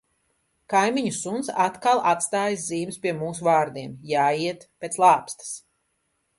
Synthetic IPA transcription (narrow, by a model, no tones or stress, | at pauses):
kajmiɲusunt̪sat̪kalˠat̪st̪aːjsziːmspʲiɛmuːsuvaːɾd̪iɛmjaːiɛt̪peːt̪slˠaːpst̪ḁs